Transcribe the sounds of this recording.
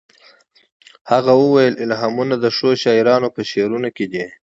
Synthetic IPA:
haɣawəwajəlʔɪlɦɑmunad̪əʂoʃɑiɾɑnopəʃeɾunoked̪i

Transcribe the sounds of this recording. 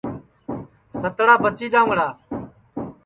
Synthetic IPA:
sət̪ɽaːpət͡ʃiːd͡ʒãːŋɽaː

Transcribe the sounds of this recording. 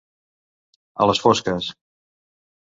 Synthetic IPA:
ə̰ləsfoskəs

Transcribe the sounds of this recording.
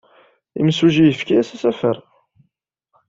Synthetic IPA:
ḭmsuʒijəfkiæsæsæfəɾˤ

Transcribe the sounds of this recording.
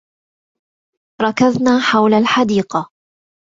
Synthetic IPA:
ɾˤɑkaðnaːħawlalħad̪iːqɑ

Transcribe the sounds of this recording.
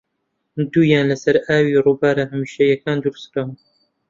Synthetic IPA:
d̪uːjaːnlɐsɐɾʔaːwiːɾuːbaːɾahɐmiːʃɐjɐkaːnd̪uɾsɾa

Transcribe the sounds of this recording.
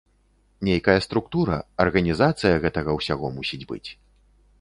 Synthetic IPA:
nʲejkɐjɐst̪ɾukt̪uɾɐɐrɣɐnʲizat̪sɨjɐɣɛt̪ɐɣɐwsʲaɣɔmusʲid͡zʲbɨ̰t͡sʲ

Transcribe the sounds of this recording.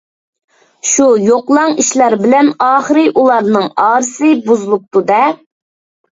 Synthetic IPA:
ʃujoqlˠɑŋiʃlæɾbɪlɛnɑːχəɾɨʔulˠɑɾnɨŋɑːɾɨsɨbuzlˠʊk̚t̪ud̪ɛ

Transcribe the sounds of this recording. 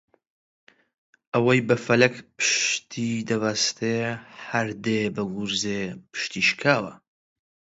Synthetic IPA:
ʔɐwɐjbɐfɐlɐkpʰɨ̥ʃt̪ʰid̪ɐvaːst̪ʰehɐɾd̪eːbɨɡuɾzeːpʰɨ̥ʃt̪iːʃkʰaːwɐ̰

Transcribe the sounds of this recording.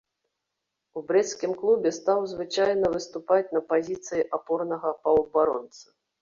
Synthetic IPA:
ubɾɛt̪skʲimklˠubʲɛst̪awzvɨt͡ʂajnɐvɨst̪upat͡sʲnɐpazʲit̪sɨjiʔapɔrnɐɣɐpɐwbaɾɔ̰nt̪sɨ̥

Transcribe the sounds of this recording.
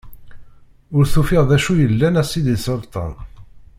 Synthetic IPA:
ʊɾθufɪʁðæʃujəlːænæsid̪isəlt̪ˤɑ̰n

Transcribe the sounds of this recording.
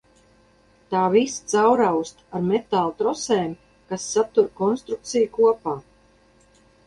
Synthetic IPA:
t̪aːvist̪sawɾawst̪aɾmet̪alˠt̪ɾɔseːm | kasːat̪uɾkɔnst̪ɾuk̚t̪sijukuɔpaː

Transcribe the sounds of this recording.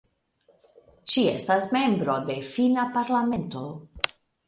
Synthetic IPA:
ʃiḛstasme̞mbɾo̞de̞finapaɾlame̞nto̞

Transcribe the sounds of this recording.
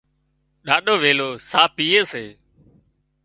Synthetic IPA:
ɗaːɗoːʋeːloːsaːpiːeːseː

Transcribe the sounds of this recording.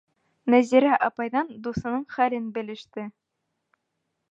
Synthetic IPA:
næziɾæʔɑpɑjðɑnd̪usɤ̆nɤɴχælɘnbɘ̆lɘ̆ʃt̪ɘ

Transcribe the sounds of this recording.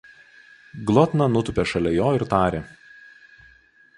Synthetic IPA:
ɡlˠɔt̪nɐnʊt̪ʊpʲeʃɐlʲɛjoːɪɾt̪ɑːɾʲe

